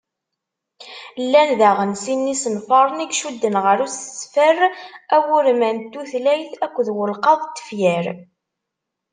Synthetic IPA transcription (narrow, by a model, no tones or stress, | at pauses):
lːænðæʁənsinːisənfɑɾˤəniɡʃud̪ːənʁəɾusə̥sfəræwʊɾmænt̪ːuθlæjθækʷːðwəlqɑðˤt̪ːə̥fjəɾ